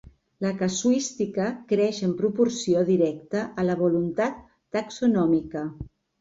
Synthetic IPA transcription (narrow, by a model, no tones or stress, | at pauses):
ləkəsuist̪ikəkɾɛʃəmpɾupuɾsioðiɾɛkt̪əʔələβ̞ulunt̪at̪ː | əksunɔmikə